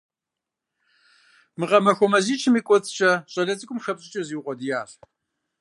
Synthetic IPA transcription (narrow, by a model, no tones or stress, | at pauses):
mɨʁɐmɐxʷɔmɐziːt͡ʃʰɨmiːkʷʼɔt͡sʼt͡ʃʼɐɕʼɐɮɐt͡sʼɨkʷʼʊmʃɐpɕʼɪt͡ʃʼɐziːwqʷɔdɨjaːɬ